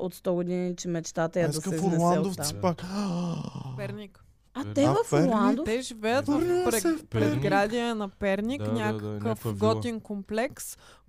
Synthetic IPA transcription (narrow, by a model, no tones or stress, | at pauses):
ot̪st̪ɔɡod̪init͡ʃɛmɛt͡ʃt̪at̪ɐjɐd̪ɐsɛzɾnɛlˠanɛt̪d̪ofaipak | pɛɾnik | ɐt̪ɛvɐflˠand̪ot̪ɛʒivɛjət̪vfɾɛpɾɛzɡɾad̪ʲiɛnɐpɛɾnʲiknʲakɐkəfɡɔt̪iŋkomplɛks